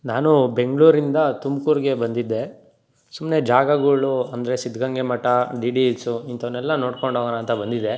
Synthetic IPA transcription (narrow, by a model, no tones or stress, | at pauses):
naːnube̞ŋɡɭuːɾind̪ɐt̪umkuːɾɡe̞bɐnd̪id̪ːe̞ | sumne̞d͡ʒaːɡɐɡuɭuɐnd̪ɐɾe̞sid̪ʱɡɐŋɡemɐʈːɐɖiːɖilsuint̪ɐʋnːɛlːɐno̞ːɽkoɳɖoːɡɐnaːnt̪ɐbɐnd̪id̪e̞